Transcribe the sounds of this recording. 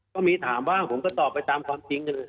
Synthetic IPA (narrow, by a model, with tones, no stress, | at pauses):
kɔː˥˩miː˧t̪ʰaː˩˦mwaː˥˩ŋpʰo˩˦mkɔː˥˩t̪ɔː˨˩pːa˧jt̪aː˧mkʰwaː˧mt͡ɕi˧ŋka˧lː